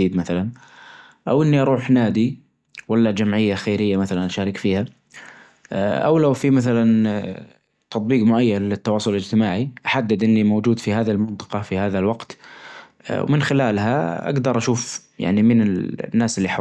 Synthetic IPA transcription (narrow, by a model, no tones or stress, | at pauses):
iːd̪maθalan | ʔawʔɪnːiʔɑɾˤuːħnaːd̪i | walːad͡ʒamʕɪjːaxejɾɪjːamaθalanʔaʃaːɾɪkfiːha | ʔa̰wlawfimaθalan | t̪ɑt̪ˤbiːqmʊʔajːallɪt̪ːɑwɑːsˤʊllɪd͡ʒt̪ɪmaːʕiʔaħad̪ːɪd̪ʔɪnːimowd͡ʒuːd̪fihaːðilmɪnt̪ˤɨ̥qɑfihaːðalwɑqt̪ | wmɪnxɪlaːlɦaʔa̰ɡd̪ɑɾˤʔaʃuːfja̰ʕnimɪnɪnːaːsɪlːiħa